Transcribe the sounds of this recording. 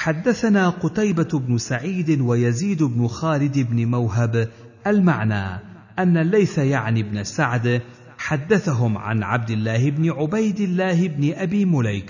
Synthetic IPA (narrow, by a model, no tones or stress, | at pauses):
ħad̪ːaθanaːqʊt̪ajbabnʊsaʕiːd̪ɪwajaziːd̪ʊbnʊxaːlɪd̪ɪbnɪmawɦab | ʔalmaʕna̰ː | ʔanːalːajsajaʕnɪbnasaʕd̪ | ħad̪ːaθaɦʊmʕa̰nʕa̰b̚d̪ɪlːaːhɪbnɪʕʊbajd̪ɪlːaːhɪbnɪʔabiːmʊlajk